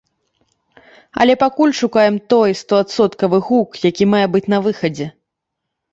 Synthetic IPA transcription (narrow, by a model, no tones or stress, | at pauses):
ɐ̰lʲɛpakulʲʂukajɛmt̪ɔjst̪ɔat̪sɔt̪kɐvɨɣukjakʲimajɛbɨt͡sʲnɐvɨxɐd͡zʲɛ